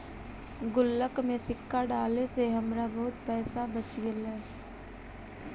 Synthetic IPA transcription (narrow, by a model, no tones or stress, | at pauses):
ɡʊlːəkmẽsɪkːaɖaːleseɦɐmɾabɐɦʊt̪pɛːsabət͡ʃɡelɛː